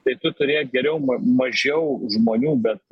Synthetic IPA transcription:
t̪ɐɪt̪ʊt̪ʊɾʲeːjɡʲɛɾʲɛʊmɐmɐʒʲɛʊʒmoːnʲuːbʲɛt̪̚

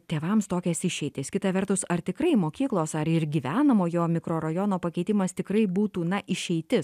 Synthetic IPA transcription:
t̪ʲeːʋɐmst̪oːkʲɛsɪʃʲɛɪt̪ʲɪskʲɪt̪ɐʋʲɛrt̪ʊsɐrt̪ʲɪkɾɐɪmoːkʲiːklˠoːsɐɾɪɾɡʲiːʋʲæːnɐmoːjoːmʲɪkɾoːɾɐjoːnoːpɐkʲɛɪt̪ʲɪmɐst̪ʲɪkɾɐɪbuːt̪uːnɐʔɪʃʲɛɪt̪ʲɪs

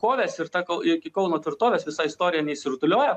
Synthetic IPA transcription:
koːʋʲeːsʲɪɾt̪ɑkɐlˠɪkʲɪkɐʊnoːt̪ʲʋʲɪɾt̪oːʋʲeːsʋʲɪsɑɪst̪oːɾʲɪjɛnʲɛɪsʲɪɾʊt̪ʊlʲoːjɛ

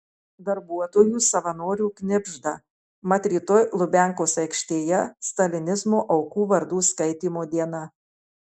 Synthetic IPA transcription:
d̪ɐɾbuɔt̪oːjuːsɐʋɐnoːɾʲuːknʲɪbʲʒd̪ɐ | mɐt̪ʲɾʲit̪ʊlˠʊbʲæˑŋkoːsɐɪkʃʲt̪ʲeːjɛst̪ɐlʲɪnʲɪzmoːʔɐʊkuːʋɐɾd̪uːskɐɪt̪ʲiːmoːd̪ʲiɛnɐ

